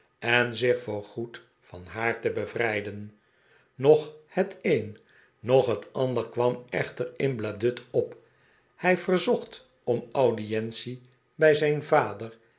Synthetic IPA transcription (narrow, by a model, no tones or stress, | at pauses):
ɛnzɪχfʊːɹχut | fɑnɦaːɹtəbəvrɛjdən | nɔχhəteːn | nɔχɦətɑndəɹkʋɑmɛ̰χtəɹɪnbladʏtɔp | hɛjvərzɔχt | ɔmawdiɛnsi | bɛjzɛjnvaːdər